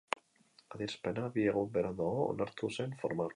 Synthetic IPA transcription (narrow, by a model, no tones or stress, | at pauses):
aðiɾspe̞naβieɣ̞umbeɾaðaoo̰naɾt̪use̞ɱfo̞ɾma